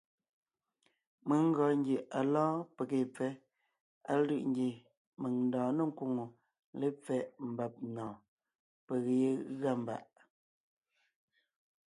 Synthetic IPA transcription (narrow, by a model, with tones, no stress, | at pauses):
me˨˦ŋ˦ɡɔ˨ŋ˦ɡje˨ʔa˨lãː˦pe˨ke˨p͡fɛ˦ | a˦˨˦lɯ˦˨ʔŋ˦ɡe˨ | me˨ŋn̩dɔ̃ː˨nə˨ŋ̩˦ku˨ŋo˨ | le˦p͡fɛ˦˨ʔm̩˨ba˨p̚nɔ̃ː˨ | pe˨ɣe˨e˦ɣa˦˨m˨ba̰˨ʔ